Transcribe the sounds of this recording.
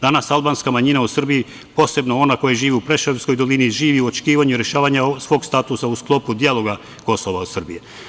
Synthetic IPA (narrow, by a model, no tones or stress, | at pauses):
d̪anasalbanskamaɲinausr̩biji | po̞ːse̞bnoo̞nako̞jeʒiːʋiupɾeʃaevsko̞jd̪o̞liniʒiːʋiuo̞t͡ʃe̥kiːʋaɲuiɾe̞ʃaːʋaɲasʋo̞ːɡst̪at̪usausklˠo̞pud̪ialo̞ɡa | ko̞soʋausr̩bije